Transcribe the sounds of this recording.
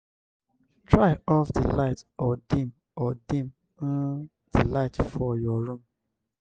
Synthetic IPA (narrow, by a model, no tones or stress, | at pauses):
tɹaɪɔfdilaɪtɔdĩm | ɔdĩm | ũ | d̥ilaɪtfɔjɔɾũm